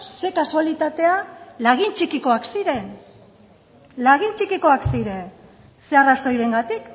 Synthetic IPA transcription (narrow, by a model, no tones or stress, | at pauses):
se̞kasualit̪at̪e̞alaɣ̞int͡ʃikiko̞aksiɾe̞n | laɣ̞int͡ʃikiko̞aksiɾe̞n | se̞arast̪ojɾe̞ŋɡat̪ik